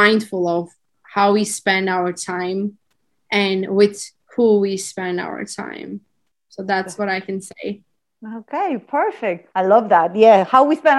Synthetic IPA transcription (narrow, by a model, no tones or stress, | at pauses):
ãɪ̃nd̥fl̩ˠʌv̥ | haʊwispɛ̃ndaʊə˞tʰãɪ̃m | ʔɨ̃nwɪð̥ | huwispɛ̃nda̰ʊə̰˞tʰã̰ɪ̃m | soʊðætswʌɾaɪkɨ̃nseɪ | oʊkʰeɪpʰɜ˞fɪk̚t̚aɪlʌvðæt̚jæhaʊwispɛ̃n